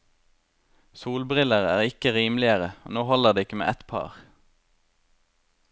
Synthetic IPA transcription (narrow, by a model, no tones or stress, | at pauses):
suːlbʁɪləʁæːʁɪkəʁiːmlɪəʁəo̰ːnoːhɔləʁd̪eːɪkəmḛːʔɛt̪pʰɑ̰ːʁ